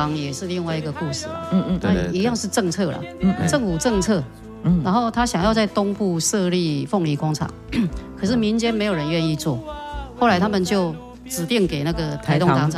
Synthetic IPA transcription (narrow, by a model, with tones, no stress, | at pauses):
ŋjɛ˨˩ʂɻ̩˥˧li˥˧ŋwa˥ɪi˧ɡə˨ku˥˧˩ʂɻ̩˥˩la̰˨˩t̪ʰa˥˨i˧˥jɑ˥˧ŋʂɻ̩˥˧ʈ͡ʂɤ˥˧ŋt͡sʰɤ˥˩lɐ̰˨˩t͡sə˥˨˩ŋfu˨˩ʈ͡ʂɤ˥˧ŋt͡sʰɤ˥˩ | na˧˥nho˥˩ʊt̪ʰa˦˥ɕjɑ˨˩ŋjɑ˥˧ʊt͡sa˥˩ɪt̪ʊ˥ŋpu˥˧ʂɤ˥˧li˥˧fɔ˥˩ŋli˧˥kwɑ˥ŋt͡sʰɑ̰˨˩˦ŋkʰɤ˨˩ʂɻ̩˥˩mi˧˦nt͡ɕjɛ˦˥nme˧˥ɪjo˨˩ɻə˧˦nɥɛ˥˧ni˥˧t͡swɔ˥˩xo˥˩ʊla˧˥ɪt̪ʰa˥mə˨nt͡ɕjo˥˩ʊ | ʈ͡ʂɻ̩˨˩t̪jɛ˥˩nke˨˩ɪna˥˩ɡə˩t̪ʰa˧˥ɪt̪o˥˨˧tʰɑ˧˦ŋʈ͡ʂʰ